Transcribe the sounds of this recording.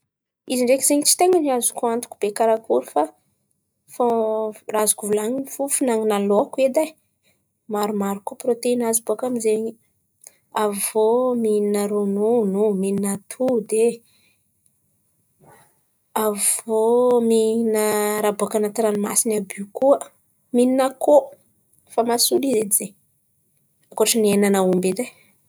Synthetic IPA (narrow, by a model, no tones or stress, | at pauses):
iziɳɖ͡ʐekizeɲit͡si̥t̪eŋaniazukuant̪u̥kub̥ekaɾakuɾufa | forazu̥kuvulaŋifufunaŋinalokued̪aj | maɾumaɾukoprot̪einazibuakamizeɲi | avvomininəɾonunumininat̪ʰud̪e | avominəɾabuakanat̪iɾanima̰sinabykuə | mininako | famasulized̪izeɲ | akoaʈ͡ʂənenanaumbed̪aj